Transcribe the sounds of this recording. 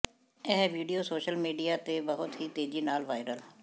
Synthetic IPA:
ɛːʋiːɖijoːsoːʃəlmiːɖijaːt̪eːbəɦʊt̪ɦiːt̪eːd͡ʒiːnaːlʋaːɪɾəl

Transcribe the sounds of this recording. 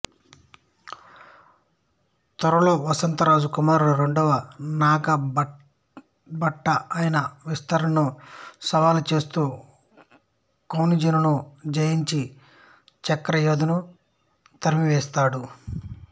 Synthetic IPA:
t̪ɐɾɐlo̞ːʋɐsɐnt̪ɐɾaːd͡ʒukumaːɾɾe̞ɳɖɔʋɐnaːɡɐ | bɐʈːɐʔajɐnɐʋist̪ɐɾɐɐnusɐʋaːlut͡ʃe̞ːst̪uː | kɐwnid͡ʒɐnunud͡ʒɐjiɲt͡ʃi | t͡ʃɐkːɐɾɐjoːd̪ɐnu | t̪ɐɾmiʋɛːst̪aːɽu

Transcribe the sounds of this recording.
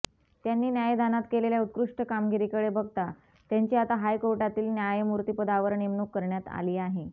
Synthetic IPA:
t̪janːiːnjajd̪ʱanat̪keleljaut̪̚kɾuʂʈəkamɡiɾikəɭebəɡt̪a | t̪jaɲt͡ɕiat̪aɦajkoɾʈat̪iːlnjajmuɾt̪iːpəd̪aʋəɾɳemnukːəɾɳjat̪a̰liːaɦe

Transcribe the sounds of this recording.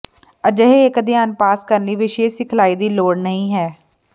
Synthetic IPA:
əd͡ʒəɦeɪkəd̪ɪjaːnpaːskəɾnliːʋɪʃeːsɪkʰlaːiːd̪iːloːɽnəɦĩːɦɛː

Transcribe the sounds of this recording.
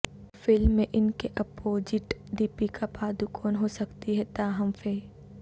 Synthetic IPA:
fɪlmːẽʔɪnkeʔɐpoːd͡ʒɪʈɖiːpikapaːd̪ukʰɔːnɦosɐkt̪iɦɛt̪aːɦɐmfeː

